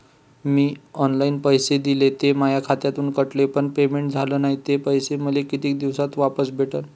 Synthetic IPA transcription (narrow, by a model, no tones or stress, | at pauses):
miːɔnlainpəjsed̪ilet̪emajakʰat̪jat̪uːnkəʈlepəɳpemeɳʈ̚d͡zʱaləːnaɦit̪epəjseməlekit̪iːk̚d̪iʋsat̪ʋapəsbʱeʈəl